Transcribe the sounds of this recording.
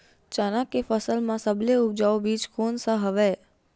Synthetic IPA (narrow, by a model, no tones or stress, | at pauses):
t͡ʃanãkefəsəlmãsəbleup̚d͡ʒaobiːd͡ʒkʰoːnsəɦəʋe